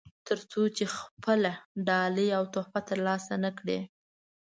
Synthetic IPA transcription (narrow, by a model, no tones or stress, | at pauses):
t̪əɾt͡sot͡ʃexpʰəlaɖɑləjawt̪ohpat̪əɾlɑsanəkɽe